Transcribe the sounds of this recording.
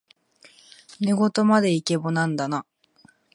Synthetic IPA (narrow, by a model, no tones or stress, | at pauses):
neɡo̞t̪o̞mad̪e̞ike̞bonãnd̪ana